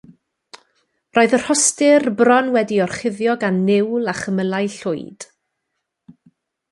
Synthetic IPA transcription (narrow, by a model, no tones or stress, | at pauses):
roːɨðər̥hɔstɪrbrɔnwɛdiɔrχɪðjɔɡanːɪwlˠaχəməlˠajɬʊ̰jd̥